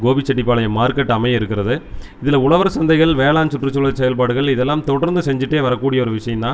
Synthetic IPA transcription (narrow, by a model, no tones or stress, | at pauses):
ɡoːbɪt͡ʃːɐʈ̬ːɪpːaːlɐjɐmaːɾkɐʈːɐmɐjɪɾɯkːɪɾɐðɯ | ɪðɪlɐʊɭɐʋɐɾsɐnd̪ɐɪɣɐɭʋeːɭaːnsɯʈːrɯt͡ʃːʊlɐsɛjɐlpaːɽɯɣɐɭɪðɛlːaːmt̪ɔɽɐɾnd̪ɯsɛɲd͡ʒɪʈːeːʋɐɾɐkːuːɽɪjɐɔɾɯʋɪʂɐjɐmnaː